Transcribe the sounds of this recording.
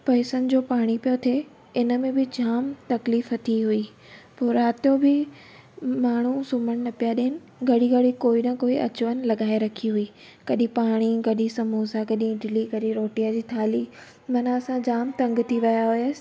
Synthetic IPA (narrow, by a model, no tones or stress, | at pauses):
pɐɪsənɪ̆d͡ʑoːpaːɽ̃ipijot̪ʰe | ɪnə̆mẽbɪd͡ʑaːmt̪ɐkliːfɐt̪ʰiɦʊi | poːɾaːt̪ijobɪ | maːɳ̤̃usʊməɽ̃nɐpijaɗeɦɪnɪ̆ | ɡɐɽiɡɐɽikoːinɐkoːiʔɐ̰t͡ɕʊʋənɪ̆lɐɡaːeɾɐkʰiɦʊiː | kɐɗĩpaːɽ̃iɡɐɗisɐmuːsaɡɐɗĩɖɪliɡɐɗiɾoːʈijad͡ʑiːt̪ʰaːli | mɐnaɐsãd͡ʑaːmt̪ɐ̃ŋɡt̪ʰiʋɐjaɦʊj